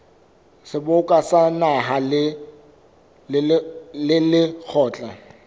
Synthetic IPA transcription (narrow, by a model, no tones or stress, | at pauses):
sɪbʊkʼasanaɦalɪ | lɪlɪk͡xʰɔːt͡ɬʼa